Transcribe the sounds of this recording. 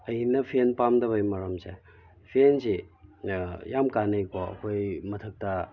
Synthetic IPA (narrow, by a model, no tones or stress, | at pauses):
ɐjnɐpʰenpamdɐβɐjmɐɾɐmse | pʰensi | jamkanɐjkoɐ̰kʰojmɐtʰɐk̚tɐ